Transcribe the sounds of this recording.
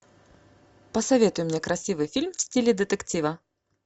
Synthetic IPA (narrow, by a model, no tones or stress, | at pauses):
pəsɐvʲe̞t̪ʊjʊmnʲekɾɐsʲivɨjfʲilʲmfsʲtʲilʲɪd̪ət̪ɨktʲivə